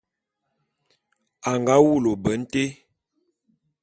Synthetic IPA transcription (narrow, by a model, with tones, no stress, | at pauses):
a˨ŋɡa˦wu˦˨lo˨bə˨˦n̩˦te˦